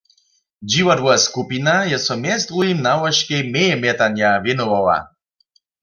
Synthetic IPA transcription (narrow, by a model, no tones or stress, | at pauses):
d͡ʑiwadwɔskupinajɛsɔmjɛst̪ʁujimnawɔʃkemɛjɛmjɛt̪anjavjɛnɔwawa̰